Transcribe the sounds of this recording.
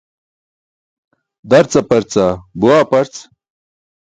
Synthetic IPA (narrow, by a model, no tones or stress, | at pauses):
d̪ɐɾt͡sɐpɐɾt͡sabuaːpɐɾt͡s